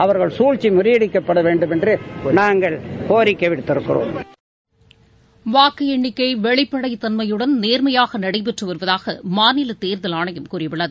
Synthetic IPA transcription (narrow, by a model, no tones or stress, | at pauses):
ɐʋɐɾɣɐɭsuːɻt͡ʃimʊɾɪjɐɽɪkːɐpːɐɽɐʋeːɳɖɯmɛndrɯnaːŋɡɐɭkoːɾɪkːɐʋɪɽt̪ːɪɾɯkːɯro̰ːm | ʋaːkɯɛɳːɪkːɐɪʋɛɭɪpːɐɽɐɪt̪ɐnmɐjɯɽɐnneːɾmɐjaːɣɐnɐɽɐɪpɛʈrɯʋɐɾɯʋɐðaːɣɐmaːnɪlɐt̪eːɾðɐlaːɳɐjɯmkuːrɪjɐʋɪɭːɐðɯ